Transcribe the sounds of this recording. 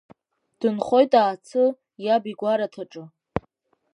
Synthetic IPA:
d̥ɨnχo̞jtʼaːt͡sʰɨ | jabiɡʷaɾatʰaʈ͡ʂʼɨ

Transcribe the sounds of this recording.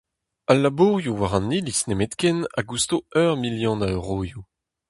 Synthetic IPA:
alːabuːʁjuwaʁɑ̃nilisnemet̪kɛna̰ɡust̪oœʁmiljɔ̃naøʁoːju

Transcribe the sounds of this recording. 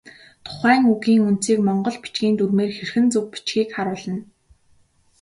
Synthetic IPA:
t̪ʰʊ̥χæːŋuɣiːŋunt͡siːkmɔɴɢɞ̆ɮpi̥t͡ɕɡʲiːnt̪urmeːrxerxɘ̆nt͡sɵk̚pi̥t͡ɕɡiːkχaɾʊːɮə̆n

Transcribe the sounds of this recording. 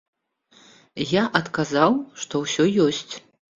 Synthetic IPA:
jaʔɐt̪kazawʂt̪ɔwsʲɔjɔsʲt͡sʲ

